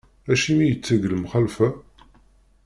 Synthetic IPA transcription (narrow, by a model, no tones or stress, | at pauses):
æʃimijət͡sːəɡləmχælfæ